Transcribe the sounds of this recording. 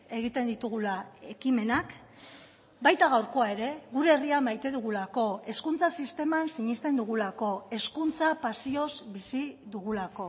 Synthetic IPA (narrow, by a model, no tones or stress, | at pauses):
e̞ɣ̞it̪e̞nd̪it̪uɣ̞ulae̞kime̞nak | bajt̪aɣ̞awɾko̞ae̞ɾe̞ɣuɾe̞ːriamajt̪e̞ðuɣ̞ulako̞e̞skunt͡sasist̪e̞mansiɲist̪e̞nd̪uɣ̞ulako̞e̞skunt͡sapasio̞zbisiðuɣ̞ulako̞